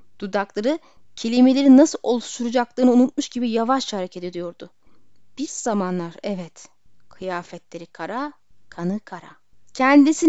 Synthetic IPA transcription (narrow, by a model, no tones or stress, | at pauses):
d̪̥ud̪aklˠaɾɯ | cʰe̞lʲime̞lʲe̞ɾinasɯlˠʔo̞lˠuʃt̪ʰuɾud͡ʒaklˠɯːnɯunut̪̚muʃɟibijavaʃhaɾecʰed̪ed̪ijo̞ɾd̪ʊ | b̥iɾzamanlˠaɾɛvɛt̪ | kʰɯjaːfɛt̪lʲe̞ɾikʰaɾa | kʰanɯkʰaɾa̰ | cʰɛnd̪isi